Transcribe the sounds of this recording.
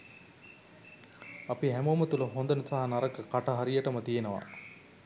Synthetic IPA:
ɐpiɦæmomɐt̪ulɐɦond̪ɐnəsaɦanaɾɐkəkaʈɐɦaɾijɐʈɐmɐt̪ijenəʋa̰

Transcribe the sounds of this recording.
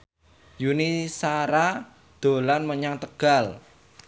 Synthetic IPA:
junisaɾa | d̪̥o̤lanməɲaŋt̪əɡ̥a̤l

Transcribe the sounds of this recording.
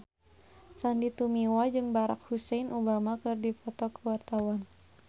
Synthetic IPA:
sandit̪umiwad͡ʒɨŋbaɾa̰k̚husɛjnʔubamakɨrdifɔt̪ɔkəwart̪awan

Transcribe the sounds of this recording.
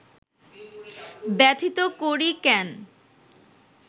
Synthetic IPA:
bɛt̪ʰit̪okoɾikɛn

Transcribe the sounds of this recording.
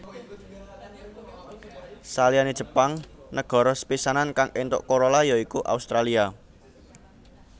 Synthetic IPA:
salianed̥ʒ̥ə̤paŋnəɡ̥ɔ̤ɾɔspisanankaŋʔent̪ʊ̰ʔkoɾolajɔikuʔa̰ust̪ɾalia

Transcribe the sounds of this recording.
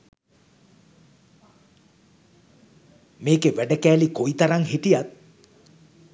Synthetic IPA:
meːkeʋæɖəkæːlikojit̪aɾaŋɦiʈijat̪̚

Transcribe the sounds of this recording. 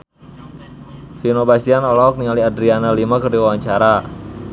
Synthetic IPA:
finobasianɔlɔɔk̚niŋaliadɾianalimakərdiwawaɲt͡ʃaɾa

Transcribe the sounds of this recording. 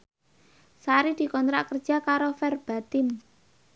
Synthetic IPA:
saɾid̪̥i̤kɔnt̪ɾaʔkərd̥ʒ̥a̤kaɾofɛrb̥a̤t̪ɪm

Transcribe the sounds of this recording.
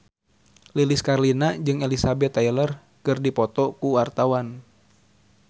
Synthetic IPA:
liliskarlinad͡ʒɨŋelisabɛt̪ːailər | kɨrdipɔt̪ɔkuwart̪awan

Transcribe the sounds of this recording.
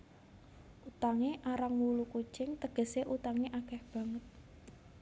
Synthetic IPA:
ʔut̪aŋeʔaɾaŋwuluku̥t͡ʃɪŋt̪əɡ̥ə̤seʔut̪aŋeʔakɛhb̥ä̤ŋət̪̚

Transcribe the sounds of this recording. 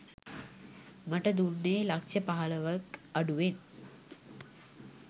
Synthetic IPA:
məʈəd̪unːeːlakʃəpaɦaləʋəkaɖuʋen

